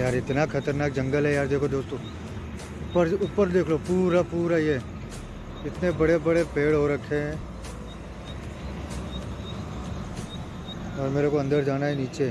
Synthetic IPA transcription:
jaːɾɪt̪nakʰɐt̪əɾnaːk̚d͡ʒɐ̃ŋɡəlɦɛjaːɾd̪eːkʰod̪oːst̪õː | ʊpəɾʊpːəɾd̪eːkʰlopuːɾapuːɾajɛ | ɪt̪nebɐɽebɐɽepeːɽɦoɾɐkʰeɛ̃ | ɔːɾmeːɾekoɐ̃nd̪əɾd͡ʒaːnaɦeniːt͡ʃe

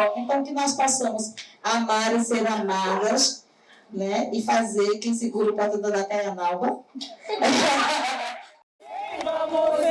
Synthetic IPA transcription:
ẽnt̪ɐ̃w̃kɪnɔspɔsɐ̃mʊsamaɾẽseɾamad̪ɐs | nɛɪfazeɾkẽj̃sɪɡuɾʊpɔsɐ̃d̪ɐ̃d̪ak̪ɛ̃ɲɐnawvɐ

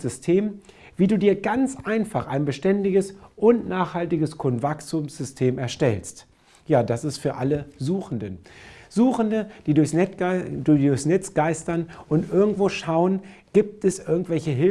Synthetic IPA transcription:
zʏstʰeːm | viːduːdiːɐɡant͡sʔaɪnfaχaɪnbəʃtɛndɪɡəsʔʊnnaːχhaltɪɡəskʰontvaksumsz̥ʏstʰeːmɛɐʃtɛlst | jaːdasɪstfyːɐʔaləzuːxn̩dənzuːxən̩dəd̥iːdʊɐçsduʊɐçsnɛt͡sɡ̥aɪstɐnʔʊntʔɪɐɡŋ̩tv̥oːʃaʊənɡ̥iːp̚tɛsʔɪɐɡŋ̩tv̥ɛlçəɦɪ

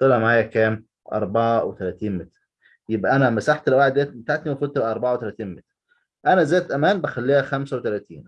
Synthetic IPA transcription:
t̪ˤːelæmaʕaːjækæːm | ʔɑ̰ɾˤbɑʕawet̪ælæːt̪iːnmet̪ɾ | jebʔæʔænæmːæsaħt̪elwaʕed̪ːæːt̪bet̪aʕt̪niwæfolt̪bʔæʔɑɾˤbɑʕawet̪ælæt̪iːnmet̪ɾ | ʔænæzæːt̪ʔæmæːnbæxælːiːhæxæmsæwet̪ælæːt̪ḭːn

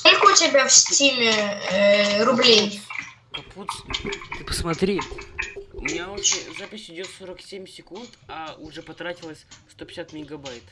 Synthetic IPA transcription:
skolʲkəʊtʲɪbʲafsʲilʲɪ | ɾʊblʲej | pɐput̪st̪ɨpə̥smɐt̪ɾʲi | ʊmʲɪnʲaot͡ɕɪzapʲɪsʲɪdʲo̞t̪soɾəksʲemʲsʲɪkunt̪aʊʐɛpɐt̪ɾatʲɪlˠəsʲfst̪opʲɪ̥sʲat̪mʲɪɡɐbajt̪

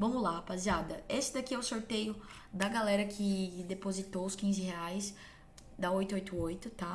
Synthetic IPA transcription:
vɐ̃mʊlapaziad̪ɐesɪd̪akiɛwsoɾt̪ejʊ | d̪ɐɡalɛɾɐkʰɪd̪epozit̪oʊskĩzɪheajs | d̪aojt̪ʊojt̪ʊojt̪ʊt̪a

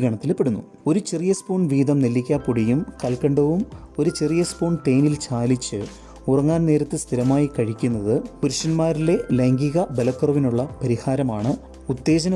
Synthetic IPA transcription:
ɡʱɐɳɐt̪ːilpːeɽunːṵ | o̞ɾut͡ɕirijɐspo̞ːɳʋiːd̪ɐmnelːikʲːaːpuɽijumkɐlkɐɳɖɐʋum | o̞ɾut͡ɕirijɐspoːɳʈejnilt͡ɕaːlit͡ɕːɨ | urɐŋːaːnne̞ːɾɐt̪ːɨst̪ʰiɾɐmaːjikɐɻikʲːunːɐðɨpuɾuʂɐnmaːɾileleŋɡiɣɐbelɐkːɐrɐʋinuɭːɐpɐɾihaːɾɐmaːɳɨ | ut̪ːe̞ːd͡ʑɐnɐ

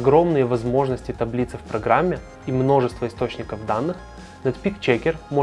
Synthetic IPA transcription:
ɐɡɾo̞mnɨjəvɐzmo̞ʐnəsʲtʲɪt̪ɐblʲit̪sɨfpɾɐɡɾamʲːɪ | imno̞ʐɨst̪vəɪst̪o̞t͡ɕnʲɪkəvd̪anːɨx | nɐt̪pʲikt͡ɕekʲɪrmo

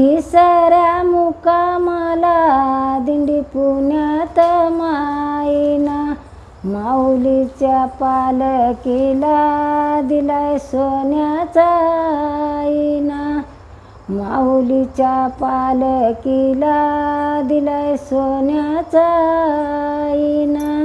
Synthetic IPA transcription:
kisəɾjamukamalad̪iɳɖipunjat̪əmaina | malit͡ɕjapaləkilad̪ilajsonjat͡sa | ina | maulit͡ɕapaləkilad̪ilajsonjat͡sa | ina

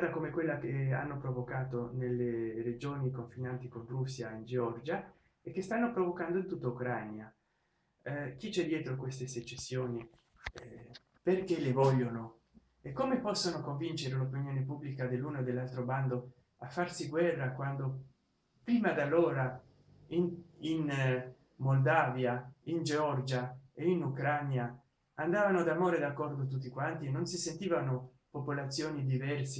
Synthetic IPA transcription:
d̪akomekwelːakea̰nːopɾovokaːt̪onelːered͡ʒoːnikoɱfinant̪ikonrusːjaind͡ʒeɔrd͡ʒa | ek̟ːest̪anːopɾovokand̪oint̪ut̪ːaukɾanja | k̟it͡ʃɛd̪jɛːt̪ɾokwest̪eset͡ʃːesːjoːni | perkelevɔʎːono | ekːomepɔsːonokoɱvint͡ʃeɾelopinjoːnepubːlikad̪elːuːnoed̪ːelːalt̪ɾoband̪o | afːarsiɡwɛrːakwand̪o | pɾiːmad̪alːoːɾa | inin | mold̪aːvjaind͡ʒeɔrd͡ʒaeinukɾanja | and̪aːvanod̪amoːɾed̪akːɔrd̪ot̪̬ut̪ːikwant̪ienːonsisent̪iːvano | popolat̪sːjoːnid̪ivɛrse

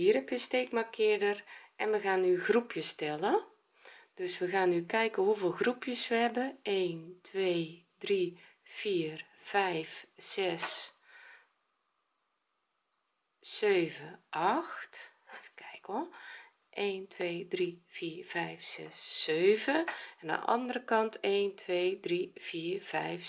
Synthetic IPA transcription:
iəɾɛpjəsteːkmakʰɪədərʔɛnməɣaːnyɣrupʰjəstɛlə | d̥øsʋəɣaːnykɛjkəhuvɪlˠɣrupʰjəsʋəɛbəeːntʰʋeː | dri | fiːrfɛjfsɛs | øːvəʔɑxtkʰɛjkɔlˠ | ʔeːntʰʋeːdriv̥iːrv̥ɛjfsɛ̰sːøːvəɛnə̰ʔɑ̰ndərəkɑntʰeːntʰʋeːdriv̥iːrv̥ɛ̰jf

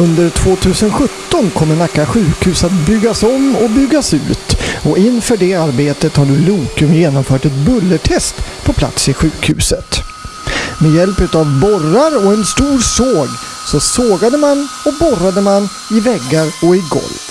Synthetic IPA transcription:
ɵnd̪əɾʈʰvoːt̪ʰʉ̟ːsənɧɵt̪ːɔnkʰɔmːəɳakːaɧʉ̟ːkhʉ̟ːsat̪̚bʏɡːasɔmːɔbʏɡːasʉ̟̰ːt̪ɔɪnfœːɖɛaɾbeːt̪ət̪haɖɵluːkɵmjeːnɔmfœːʈɛt̪̚bɵlːəʈʰɛst̪pʰɔpʰla̰t̪sɪɧʉ̟ːkhʉ̟̰ːsət̪ | mɛjɛlpʉ̟ːt̪avbɔraɾɔɛnst̪uːɾsoːɡ | sɔsoːɡad̪əman | ɔbɔɾad̪əman | ɪvɛɡːaɾɔɪɡɔ̰lv

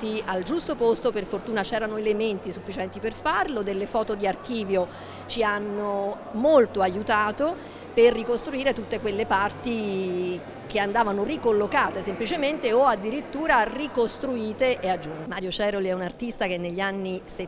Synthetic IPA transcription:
t̪iald͡ʒust̪opost̪operfort̪uːnat͡ʃɛːɾanoelement̪isufːit͡ʃɛnt̪iperfarlod̪elːefɔːt̪od̪iarkiːvjo | t͡ʃianːo | molt̪oajut̪aːt̪o | perːikost̪ɾuiːɾet̪ut̪ːekwelːepart̪i | k̟eand̪aːvanorikolːokaːt̪esemplit͡ʃement̪eoad̪ːiɾit̪ːuːɾarikost̪ɾuiːt̪eʔead͡ʒːunmaːɾjot͡ʃɛːɾoliɛunart̪ist̪ak̟enːeʎːianːise

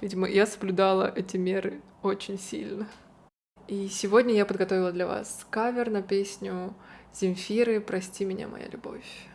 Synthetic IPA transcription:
vʲidʲɪməjasəblʲʊd̪alˠə̰ʔɛtʲɪmʲe̞ɾɨ | ot͡ɕɪnʲsʲḭlʲnə | isʲɪvo̞dʲnʲəjapəd̪̚ɡɐt̪ovɪlˠəd̪lʲɐva̰skavʲɪrnɐpʲesʲnʲʊz̥ʲɪmʲfʲiɾɨpɾɐsʲtʲimʲɪnʲa̰mɐ̰ja̰lʲʊbo̞̰fʲ

